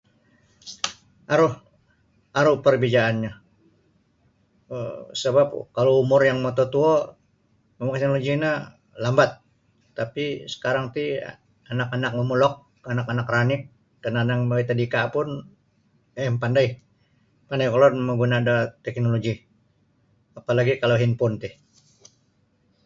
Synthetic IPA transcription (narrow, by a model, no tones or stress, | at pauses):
aɾʊh | aɾʊhpərbid͡ʒaːnɲa | səbap̚kaloumʊrjaŋmot̪ot̪uɔ | məmakt̪noloɡina | lambat̪̚ː | apisə̥kaɾaŋt̪ḭ | anakanak̚məmulɔk̚ | anakanakranɪk̚ | dananaŋbawit̪adikapʊn | ɛmpandaj | pandajkolɔrməɡunaːdat̪ɛk̚noloɡi | apalaɡikaloɦinpʊnt̪ɪh